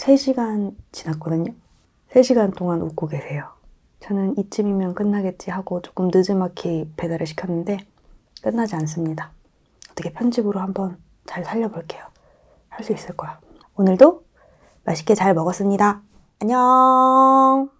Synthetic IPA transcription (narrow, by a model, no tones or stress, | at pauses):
sʰe̞ɕʰiɡant͡ɕinat̚k͈ʌdɯɲo | sʰe̞ɕʰiɡantʰoŋanṵk͈oɡesʰe̞jo | t͡ɕʌnɯnit͡ɕ͈ɯmimjʌnk͈ɯnːaɡe̞t̚t͡ɕ͈iɦaɡot͡ɕo̥k͈ɯmnɯd͡ʑɯmakʰipe̞daɾɯɭɕʰi̥kʰjʌnːɯnde̞ | k͈ɯnːad͡ʑians̬͈ɯmɲida | ʌt͈ʌkʰe̞pʰjʌnd͡ʑibɯɾohambʌn | t͡ɕaɭsʰaʎːʌboɭk͈e̞jo | haɭs͈uis͈ɯɭk͈ʌja | onɯɭdo | maɕʰi̥k͈et͡ɕaɭmʌɡʌs͈ɯmɲida | aɲʌ